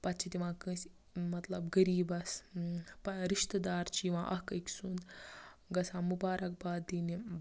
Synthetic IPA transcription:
pɐt̪̚t͡ʃʰit̪iʋãːkə̃s | mɐt̪lɐbɡɐɾiːbɐspɐɾiʃt̪d̪aːɾt͡ʃiʋãːʔɐ̰hkɐkʲsund̪ɡɐsãːmubaːɾɐk̚baːd̪ini

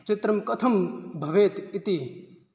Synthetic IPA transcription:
t͡ʃɪt̪ɾɐmkɐt̪ʰɐmbʱɐʋeːt̪it̪i

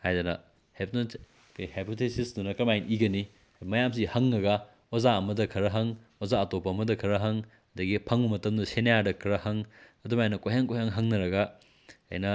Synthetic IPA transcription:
hajdɐnɐ | hepn | kjhepʰotʰesisdunɐkɐmajnʔiɡɐni | mɐjamsihɐŋːɐɡɐ | wɐzaɐmɐdɐkʰɐɾɐɦɐŋwɐzaɐtopʰɐːmɐdɐkʰɐɾɐɦɐŋ | ɐd̪ɐɡipʰɐŋbɐmɐtɐmdɐsenɐjadɐkʰɐɾɐhɐŋɐdumajnɐkojɦaŋkojhaŋɦɐŋnɐɾɐɡɐ̰ː | jnɐ

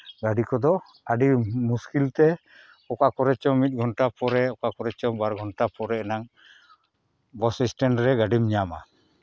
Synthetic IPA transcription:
ɡaɖikɔd̪ɔ | aɖimuskilt̪ɛ | ɔkakɔɾɛt͡ʃɔmit̪̚ˀɡʱɔnʈapɔɾɛɔkakɔɾɛt͡ʃɔbaɾɡʱɔnʈapɔɾɛɛnaŋ | bɔsisʈɛnɾɛɡaɖimɲama̰

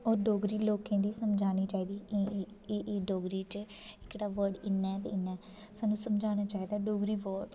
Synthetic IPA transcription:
ɔːɾɖoːɡɾiːloːkẽːd̪iːsəmd͡ʒaːniːt͡ʃaːiːd̪iː | ʔeːɖoːɡɾiːt͡ʃ | ɪkɽaːʋəɾɖɪnːɛːt̪ḛːɪnːɛː | saːnũːsəmd͡ʒaːñaːt͡ʃaːiːd̪aːɖoːɡɾiːʋəɖ

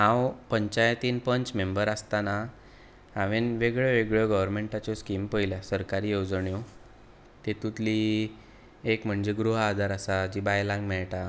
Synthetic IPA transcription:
ɦãwpəɲt͡ɕajt̪inpəɲt͡smembəɾast̪ana | aʋenʋeɡɭeʋeɡɭɔɡəʋəɾmeɳʈat͡ɕɔskimpəjljasəɾkaɾijewd͡zɳjɔ | t̪et̪ut̪li | ekm̤əɳd͡ʑeɡɾuɦad̪ʱaɾəsad͡ʑibajlãŋɡmɛɭʈa

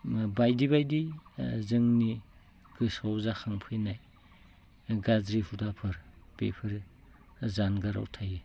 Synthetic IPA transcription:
bajdibajdizɯŋni | ɡ̥ɯsawzaxʰaŋpʰɯjnaj | ɡazɾihudapʰɯɾb̥ḛpʰɯɾ | zanɡaɾa̰wtʰaji

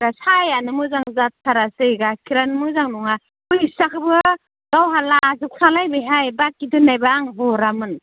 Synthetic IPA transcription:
ɡasajanɯmɯzaŋzat̚tʰːaɾasɯjɡakʰiɾanmɯzaŋnɔŋa | ujisakʰɯbɯ | ɡawɦalazuk̚salajbɯjɦajbakːidɯnːajbaːŋɦɔɾamɯn

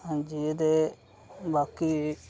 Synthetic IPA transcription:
ə̃d͡ʒiːd̪eː | baːkiː

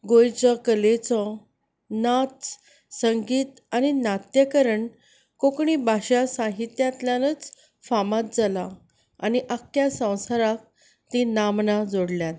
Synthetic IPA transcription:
ɡojt͡sɔkəlet͡sɔ | nat̪ | səŋɡiːt̪ | aninat̪jəkəɾəɳ | kokɳibʱaɕasaɦit̪jãt̪ljãnət͡s | famat̪̚d͡zala | a̰niʔakjasə̃w̃saɾak̚ | t̪ĩnamnad͡zoɽljat̪

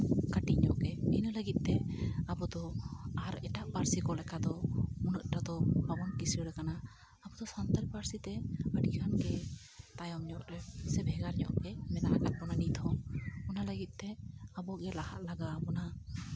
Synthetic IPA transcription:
kaʈiʔɲɔ̰ʔkɛɛnələɡit̪̚t̪ɛabɔd̪ɔaɾɛʈaʔpaɾsikɔlɛkad̪ɔunəʔ̪̚ʈad̪ɔbabɔnkisəɾɛkanaː | bɔd̪ɔsant̪alpaɾsit̪ɛəɖikʰanɡɛ | t̪ajɔmɲɔʔɾɛsɛbʱɛɡaɾɲɔ̰ʔkɛmɛnaʔakat̪̚bɔnaniʔt̪ʰɔŋɔnaləɡit̪̚ˀt̪ɛabɔɡɛlaha̰ʔ̪laɡaːbɔna

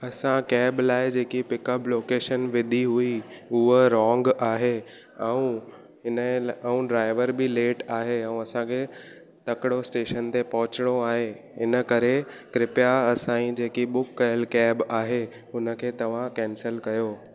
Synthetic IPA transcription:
ɐsãkɛːblaːɪd͡ʑeːkipɪkəploːkeːʃənʋɪd̪ʱiɦuiʊɦəɾɔ̃ːŋɡaːɦe | ɛ̃ũ | ɦɪnəɛũɖɾaːɪʋəɾbɪleːʈaːɦeɛ̃ũɐsãkʰe | t̪ɐkɪɽosʈeːʃənt̪epɐɦʊt͡ɕɪɽ̃oaːɦe | ɪnə̆kɐɾekɾɪpjaɐsãːĩd͡ʑeːkiɓʊkːɐjəlkɛːbaːɦe | ʊnə̆kʰeːt̪ɐʋ̤ãkɛ̃ːnsəlkɐjoː

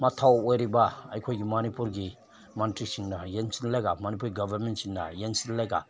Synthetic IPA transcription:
matʰawojɾibaa̰jkʰojɡimanipuɾɡi | mantɾisiŋnajensinlajɡamanip̬uɾɡabʱaɾmentsinda̰jensinlajɡa̰

